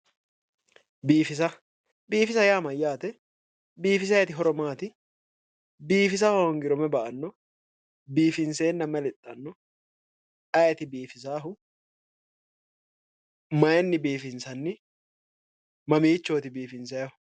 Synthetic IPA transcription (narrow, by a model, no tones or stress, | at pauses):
biːfɪs̬ɐ | biːfɪsɐjaːmɐjːaːt̪ɛ | biːfɪsɐjɛt̪ɪɦɔɾɔmaːt̪ɪ | biːfɪs̬aːhɔŋɡɪɾɔmɛbɐʔɐnːɔ | biːfɪnse̞ːnːɐmːɛlɛt̪ʼːɐnːɔ | ʔɐjɛt̪ɪbiːfɪs̬aːɦʊ | mɐjɛnːɪbiːfɪnsɐnːɪ | mɐmiːt͡ʃːoːt̪ɪbiːfɪnsɐjɐʊ